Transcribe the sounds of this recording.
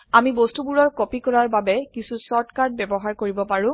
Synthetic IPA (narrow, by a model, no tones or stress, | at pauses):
amibostubuɹɔɹkopikɔɹaɹbabɛkisusɔɹtkaɹd̚bɛbɔɦaɹkoɹibɔpaɹʊ̃